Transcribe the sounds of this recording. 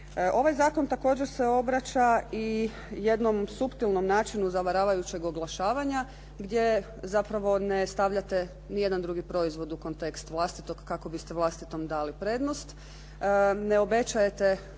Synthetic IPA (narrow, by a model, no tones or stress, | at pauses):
ʔo̞ʋajzaːko̞nt̪ako̞ːd͡ʑeɾse̞o̞bɾat͡ɕai | je̞d̪no̞msupt̪ilno̞mnaːt͡ʃinuzaʋaɾaːʋajut͡ɕe̞ɡo̞ɡlˠaʃaːʋaɲa | ɡd̪je̞ | zapɾaʋo̞ne̞st̪aʋʎat̪e̞ | nije̞d̪and̪ɾuɡipɾo̞izʋo̞d̪uko̞nt̪e̞kst̪ʋlˠast̪it̪o̞ɡkːako̞bist̪e̞ʋlˠast̪it̪o̞md̪aːlipɾe̞ːd̪nost̪ | ne̞o̞be̞t͡ʃaje̞t̪e̞